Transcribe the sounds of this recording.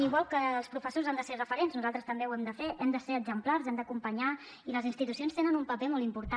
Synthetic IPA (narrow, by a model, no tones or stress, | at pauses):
iɣwalˠkəːlˠspɾufəsozand̪əserəfəɾenznuzalˠt̪ɾəst̪əmbewɛmd̪əfeʔɛmd̪əseɾəɡzəmplarzɛmd̪əkumpəɲa | iləzinst̪it̪usionst̪enənumpəpɛmɔl̬ˠimpuɾt̪a